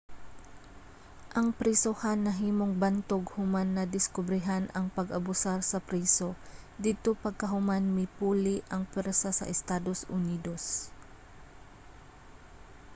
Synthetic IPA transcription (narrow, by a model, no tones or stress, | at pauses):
ʔɐŋpɾisohanːɐɦiːmoŋbant̪oɡhʊmanːɐd̪ɪskʊbɾɪɦanʔɐŋpɐɡɐbʊsaɾsɐpɾiːso̞d̪id̪̚t̪opɐɡ̚kɐɦʊmanmɪpuːlɪʔɐŋpwɛɾsasɐ̰ʔɛst̪aːd̪o̞sʔʊniːd̪o̞s